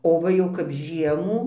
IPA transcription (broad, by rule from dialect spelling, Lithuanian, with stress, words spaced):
oː ˈʋɐ jɛʊ kɐp ˈʒʲiɛmuː